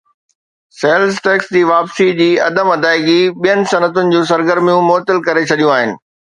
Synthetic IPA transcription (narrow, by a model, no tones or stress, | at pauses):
seːlzʈɛːksd͡ʑiːʋaːpsid͡ʑiːɐ̰d̪əmɐd̪aːɪɡiɓijənɪ̆sɐnət̪ʊnɪ̆d͡ʑũːs̬ɐɾɡəɾmijũmoːt̪əlkɐɾet͡ɕʰɐɗijũaːɦɪnɪ̆